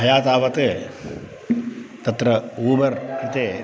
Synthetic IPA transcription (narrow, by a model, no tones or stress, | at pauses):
ɐjaːt̪aːʋɐt̪eː | t̪ɐt̪ɾɐuːbɐɾkɾɪt̪eː